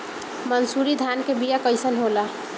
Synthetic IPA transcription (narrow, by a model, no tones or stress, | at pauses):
mənsuɾid̪ʱankebijakəjsənɦola